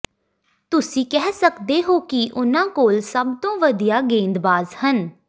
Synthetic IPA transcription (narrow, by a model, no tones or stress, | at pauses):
t̪ʊsĩːkɛːsəkd̪eːɦoːkɪʔʊnãːkoːlsəb̚t̪õːʋəd̪ijaːɡẽːnd̪baːzhən